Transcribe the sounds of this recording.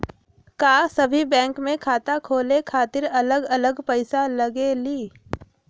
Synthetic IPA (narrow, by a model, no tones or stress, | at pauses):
kaːsɐbʱibɛ̃ːŋkmẽkʰaːt̪akʰoːlekʰaːt̪ɪɾɐləɡɐləɡpəɪsalɐɡeliː